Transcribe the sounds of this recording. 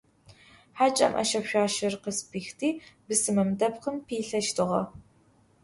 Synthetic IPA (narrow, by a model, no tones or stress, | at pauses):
ħat͡ʃʼɐ̰mʔɐ̰ʃɐpʃᶣʷaːʃɪrqəspʰiːxtʰiːbɨsɨmɐmdɐpqəmpʰiːɬɐʃtʰɨʁɐ̰